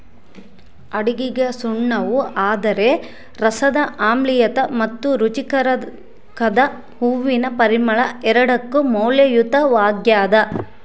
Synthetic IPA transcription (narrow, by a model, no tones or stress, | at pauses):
ɐɽiɡiɡɐsuɳːɐʋuaːd̪ɐɾe̞ | ɾɐsɐd̪ɐʔaːmlijɐt̪ɐmɐt̪ːuɾut͡ʃikɐɾɐ | kɐd̪ɐ | huʋːinɐpɐɾimɐɭɐɛɾɐɽɐkːumɔːljɐjut̪ɐʋaːɡjaːd̪ɐ